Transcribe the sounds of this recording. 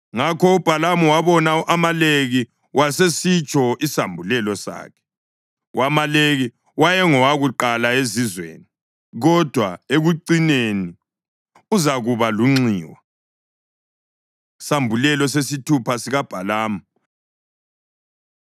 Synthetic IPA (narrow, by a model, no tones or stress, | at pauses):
ŋakʰɔub̥ʱalamuwaβɔnaʔamaleɣi | wʔasesit͡ʃʼɔisambʱulɛlɔsa̰ːkʰɛ̥ | wamaleɣi | wajɛŋɔwaɣuǃalaezizwḛːni | ɣɔd̥ʱwa̰eɣuǀineni | uzaɣuβaluŋ͡ǀiːwa | sambʱulɛlɔsesitʰupʰasiɣab̥ʱalaːma